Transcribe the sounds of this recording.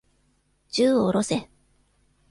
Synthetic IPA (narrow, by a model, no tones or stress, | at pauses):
d͡ʑɨːoɾo̞se̞